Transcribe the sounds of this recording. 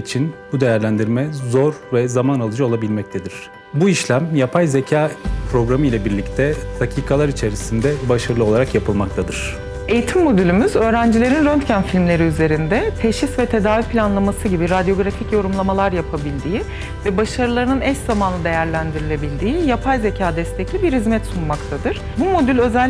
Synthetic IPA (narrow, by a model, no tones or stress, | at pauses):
it͡ʃʰinbud̪e̞jæɾlʲænd̪iɾmɛzoɾvɛzamanalˠɯd͡ʒao̞lˠabilʲmɛc̚t̪ʰed̪iɾ̥ | buiʃlʲæmjapʰajze̞cʰaːpʰɾo̞ɡɾamɯilʲˠabiɾlʲict̪ʰɛd̪̥acʰiːkʰalˠaɾit͡ʃʰe̞ɾisind̪ɛbaʃaɾɯlˠɯolˠaɾakjapʰɯlˠmak̚t̪ʰad̪ɯɾ̥ | e̞jit̪ʰimːo̞d̪ylʲymyzø̞ːɾænd͡ʒilʲe̞ɾinɾønt̪cænfilʲmlʲe̞ɾiyze̞ɾind̪ɛt̪ʰeʃisvɛt̪ʰe̞d̪aːvipʰilʲanlˠamasɯɟibiɾad̪ijo̞ɡɾaficjo̞ɾumlˠamalˠaɾjapʰabilʲd̪iːi | vɛbaʃaɾɯlˠaɾɯnɯnɛszamanˠɯd̪e̞jæɾlʲænd̪iɾilʲe̞bilʲd̪iːijapʰajze̞cʰaːd̪ɛst̪ʰeclʲibiɾhizmɛt̪sunmakt̪ʰad̪ɯɾ̥bumo̞d̪ylʲø̞zælʲ